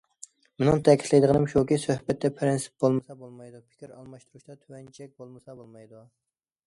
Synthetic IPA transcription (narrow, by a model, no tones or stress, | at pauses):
munɪŋt̪ʰɛkʲʰit̪ʰlˠɪjd̪ɨəʁnɨmʃukʲisøhbɛt̪ːɛpʰɾɪnsɪ̥p̚bolˠmɨsɑbolˠmɑjd̪upʰɪ̥kʲiɾɑlˠmɑʃt̪uɾuʃt̪ɛt̪ʰywɛnt͡ʃʰɛk̚ʲbolˠmɨsɑbolˠmɑjd̪u